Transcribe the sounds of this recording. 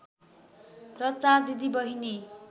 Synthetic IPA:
prʌt͡sard̪id̪ʱibʌɦine

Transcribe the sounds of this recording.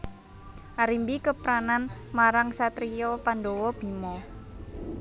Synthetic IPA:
ʔaɾimbikəpɾananmaɾaŋsat̪ɾiɔpandowɔb̥i̤mɔ

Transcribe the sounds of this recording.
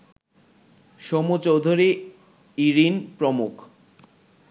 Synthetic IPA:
ʃɔmot͡ɕowd̪ʱoɾi | iɾinpɾomukʰ

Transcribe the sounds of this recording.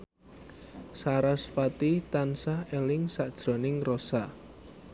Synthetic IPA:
saɾasfat̪it̪ansahelɪŋsaʔd̥ʒ̥ɾɔ̤nɪŋrosa

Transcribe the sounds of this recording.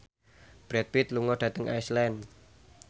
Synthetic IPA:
b̥ɾɛt̪̚wɪt̪luŋɔd̥a̤t̪əŋʔa̰jslɛn

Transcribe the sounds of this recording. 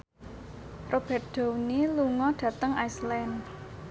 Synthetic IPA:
rob̥ɛr̚d̪̥o̤wniluŋɔɖ̥ä̤t̪əŋaislɛn

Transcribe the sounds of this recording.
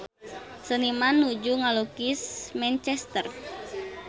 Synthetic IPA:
sənimanːud͡ʒuŋalokismɛnt͡ʃɛst̪ər

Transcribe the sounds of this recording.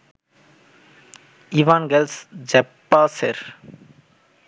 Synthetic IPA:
iʋaːnɡɛlsd͡ʒɛpːaːseɾ

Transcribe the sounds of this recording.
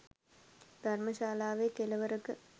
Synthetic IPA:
d̪̥ʱarməʃaːlaːʋeːkeləʋəɾəkə

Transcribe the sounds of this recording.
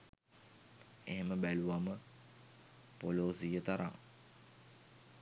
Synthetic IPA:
eɦeməbæluʋamə | poloːsijət̪aɾa̰ŋ

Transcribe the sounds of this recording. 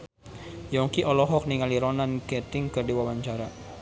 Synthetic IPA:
jɔŋkiʔɔlɔɦɔk̚niŋaliɾɔnankɛt̪ɪŋkərdiwawaɲt͡ʃaɾa

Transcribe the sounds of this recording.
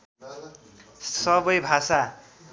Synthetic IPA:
sʌbʌjbʱasa

